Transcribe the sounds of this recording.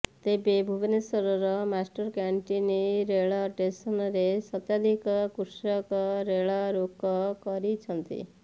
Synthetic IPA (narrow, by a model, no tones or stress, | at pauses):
t̪ebebʱubnesɔɾɔɾɔmasʈɔɾkaɳʈiniɾeɭɔʈesɔnɔɾesʌt̪jad̪ʱikɔkuɾsɔkɔɾeɭaɾokɔkɔɾit͡ʃʰʌnt̪ḭ